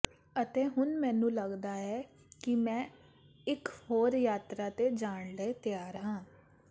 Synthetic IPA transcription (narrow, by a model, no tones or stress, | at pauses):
ət̪eːɦʊnmɛ̃ːnũːləɡd̪aːɛː | kɪmɛ̃ː | ɪkhoːɾjaːt̪ɾaːt̪eːd͡ʒaːɳləet̪ɪjaːɾɦãː